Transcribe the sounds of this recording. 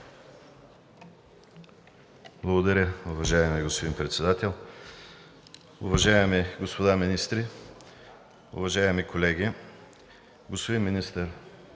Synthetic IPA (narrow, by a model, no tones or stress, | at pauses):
blˠɐɡod̪ɐɾʲəʊvɐʒaɛmiɡospod̪inpɾɛt̪sɛd̪at̪ɛlˠ | ʊvɐʒaɛmiɡospod̪aminist̪ɾi | ʊ̰vɐʒaɛmikolɛɡʲi | ɡospod̪inminist̪əɾ